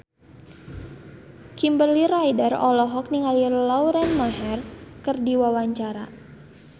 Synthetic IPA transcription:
kimbəlirajdarɔlɔɦɔk̚niŋalilawɾɛnmaɦɛrkərdiwawaɲt͡ʃaɾa̰

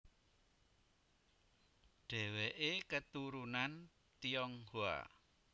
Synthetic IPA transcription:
ɖ̥ɛ̤weʔekət̪uɾunan | t̪ijɔŋhoa̰

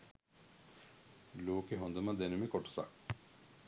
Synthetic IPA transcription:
loːkeɦond̪ɐmɐd̪enumekoʈu̥sa̰

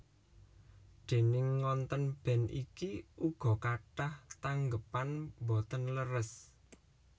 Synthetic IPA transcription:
ɖ̪̥e̤nɪŋːɔnt̪ənb̥ɛ̤nḭkiuɡ̥ɔ̤kaʈaht̪aŋɡəpanmbɔt̪ənləɾəs

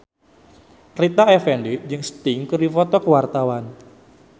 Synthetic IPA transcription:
rit̪aɛfɛndid͡ʒɨŋst̪ɪŋkərdifɔt̪ɔkəwart̪awan

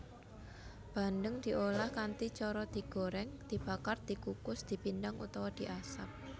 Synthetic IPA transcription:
b̥a̤ndəŋd̪̥i̤ʔolahkant̪it͡ʃɔɾɔd̪̥i̤ɡ̥o̤ɾɛŋd̪̥i̤b̥akard̪̥i̤kukʊsd̪̥i̤pindaŋṵt̪ɔwɔd̪̥i̤ʔasap̚

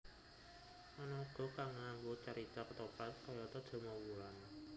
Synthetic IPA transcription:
ʔanɔɡ̥ɔ̤kaŋambot͡ʃəɾit̪akət̪opat̪̚kɔjɔt̪ɔd̥d̪̥ɔ̤mawuɾan

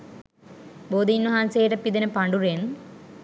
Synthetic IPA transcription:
boːd̪inːuɦanseːʈɐpːid̪ɐnɐpɐɳɖuɾen

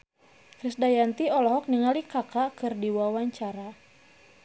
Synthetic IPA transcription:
kɾisdajant̪iɔlɔɦɔk̚niŋalikakakɨrdiwawaɲt͡ʃaɾa

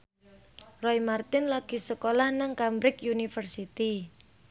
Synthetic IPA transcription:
rɔjmart̪ɪnlaɡ̥i̤səkolahnaŋkambɾɪkjunifərsit̪i

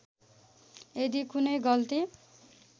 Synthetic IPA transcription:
ed̪ikunʌjɡʌlt̪i

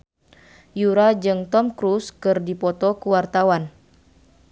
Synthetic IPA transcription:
juɾad͡ʒɨŋt̪ɔmkɾuskɨrdipɔt̪ɔkuwart̪awan

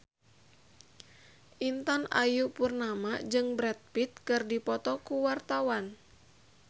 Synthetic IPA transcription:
ʔint̪ana̰jupurnamad͡ʒɨŋbɾɛt̪̚pit̪̚kɨrdipɔt̪ɔkuwart̪awan

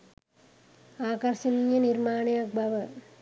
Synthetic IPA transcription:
aːkɐɾʃɐnijɐniɾmaːnɐɐɡ̚bʱɐʋɐ

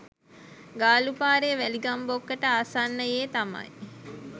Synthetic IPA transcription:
ɡaːlupaːɾeʋæliɡambokːəʈəasanːəjeːt̪amɐ̰j

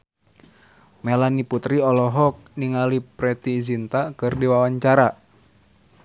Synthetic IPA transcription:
melaniput̪ɾiɔlɔɦɔk̚niŋalipɾɛt̪izint̪akɨrdiwawaɲt͡ʃaɾa

